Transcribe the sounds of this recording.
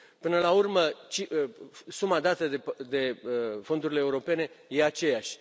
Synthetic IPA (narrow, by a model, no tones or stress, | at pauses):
pɨnəlaurmət͡ʃisumad̪at̪əd̪ed̪e̞fo̞nd̪uɾile̞ːuɾo̞pe̞ne̞je̞at͡ʃe̞jaʃʲ